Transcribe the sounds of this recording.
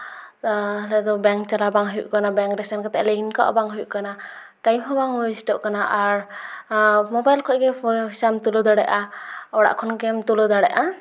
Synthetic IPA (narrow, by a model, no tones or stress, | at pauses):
lɛd̪ɔbɛŋk̚t͡ʃalabaŋɦujṵʔkanabɛŋkɾɛsankat̪ɛʔlɛinka̰ʔbaŋɦujuʔkana | ʈajmɦɔbaŋwɔsʈɔʔkanaʔaɾ | mɔbajlkʰɔʔɡɛpʰɔɦsamt̪ulɔd̪aɽɛʔaɔɽa̰ʔkʰɔnkɛmt̪ulɔd̪aɽɛʔa